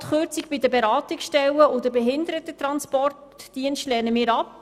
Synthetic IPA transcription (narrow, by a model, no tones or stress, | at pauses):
tχøɾt͡sikbidəbeɾɑːtiksʃtɛlːəʊdəbeɦɪndəɾət̪ətɾɑnspɔrtd̥iənstlɛːrnəmɪːɾɑp